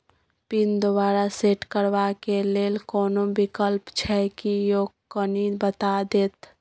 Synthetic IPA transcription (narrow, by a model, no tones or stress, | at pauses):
pind̪obaɾaseʈkəɾbakelelkɔːnobikəlpt͡ʃʰɛkijokənibət̪ad̪et̪